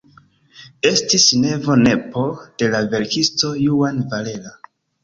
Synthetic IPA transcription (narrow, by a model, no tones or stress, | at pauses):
e̞stisne̞vo̞ne̞po̞d̥e̞lave̞ɾkisto̞juanvale̞la